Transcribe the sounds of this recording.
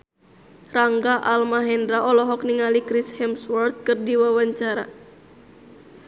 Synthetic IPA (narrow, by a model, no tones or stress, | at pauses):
raŋɡaʔalmaɦɛndɾaɔlɔɦɔk̚niŋalikɾishɛmswɔrt̪̚kɨrdiwawaɲt͡ʃaɾa̰